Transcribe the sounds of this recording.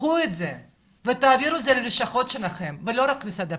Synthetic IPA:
uet̪ze | vet̪aːviɾuzeleleʃaχo̞t̪ʃelaχemvelo̞ɾakmisad̪e

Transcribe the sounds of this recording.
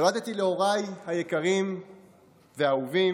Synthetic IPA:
lat̪et̪ileo̞ʁajhajekaʁim | veauvi

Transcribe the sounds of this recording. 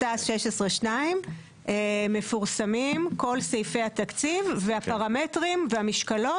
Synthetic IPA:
asʃeʃesʁeʃnaim | ʔeme̞fuʁsamimko̞lsejfejhat̪akt͡sivveapaʁame̞tʁimveamiʃkalo̞

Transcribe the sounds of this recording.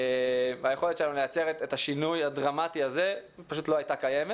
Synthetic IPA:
ajeχo̞letʃelanulejat͡seʁet̪etaʃinujadʁamatiaze | paʃut̪lo̞ajtakaje̞me

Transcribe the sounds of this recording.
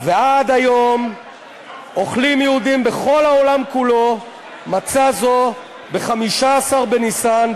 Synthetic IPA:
vead̪ajo̞m | o̞χlimjɛud̪imbe̞χo̞laolamkulo̞ | mat͡sazo̞ | be̞χamiʃaːsaʁbenisan

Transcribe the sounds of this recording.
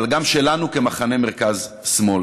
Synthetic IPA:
lɡamʃelanukemaχane̞meʁkaz | smo̞l

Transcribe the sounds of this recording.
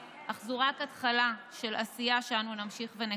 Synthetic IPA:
aχzuʁakatχalaʃe̞lasijaʃeanunamʃiχvene

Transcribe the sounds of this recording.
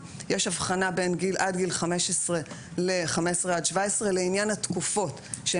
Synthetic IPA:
jeʃavχanabe̞nɡilʔadɡilχame̞ʃesʁe̞ | leχamesʁeadʃvaesʁeleinjanhat̪kufo̞tʃe

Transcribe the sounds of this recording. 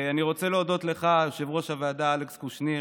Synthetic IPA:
aniʁo̞t͡seleod̪o̞t̪le̞χaʃevʁo̞ʃavead̪aalekskuʃni

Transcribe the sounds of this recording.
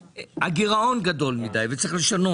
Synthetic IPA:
haɡiʁao̞nɡado̞lmid̪ajvet͡saɐʁiχle̞ʃano̞

